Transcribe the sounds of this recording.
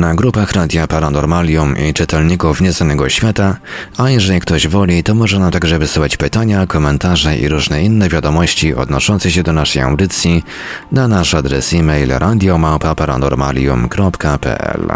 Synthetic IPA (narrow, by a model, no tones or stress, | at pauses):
naɡɾupaxɾad̪ʲjapaɾanɔɾmalʲjumḭt͡ʂɘt̪ɛlɲikufɲɛznanɛɡɔɕfʲjat̪aajɛʐɛlʲikt̪ɔʑvɔlʲit̪ɔmɔʐɛnamt̪aɡʐɛvɘsuxat͡ɕpɘt̪aɲakɔmɛnt̪aʐɛʔḭɾuʐnɛinːɛvʲjad̪ɔmɔɕt͡ɕiʔɔ̰d̪nɔʂɔnt̪sɛɕ̬ɛd̪ɔnaʂɛja̰wd̪ɘt̪sʲji | nanaʂad̪ɾɛ̰simɛjlɾʔad̪ʲjɔmawpapaɾa̰nɔ̰ɾma̰lʲjṵmkɾɔpkapɛ̰ʔɛ̰l